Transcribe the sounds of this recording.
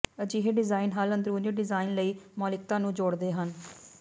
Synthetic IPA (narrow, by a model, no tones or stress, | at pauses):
əd͡ʒiːɦeɖɪzaːinɦaːlənd̪ɾuːniːɖɪzaːinləiːmɔːlɪk̚t̪ãːnũːd͡ʒoːɽd̪eːɦən